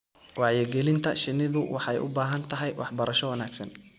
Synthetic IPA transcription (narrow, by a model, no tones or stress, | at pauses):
wɑːʕjɛɡɛlɪnt̪ʰɐʃɪnːɪðʊwɑħɛjʔʊ̰baːɦɐnt̪ʰɐɦɛjwɑħbɐɾɐʃɔwɐnaːɡsɐn